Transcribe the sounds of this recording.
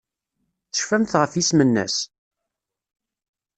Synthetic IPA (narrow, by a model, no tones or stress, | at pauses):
θə̥ʃfæmθʁəfjismənːæ̰s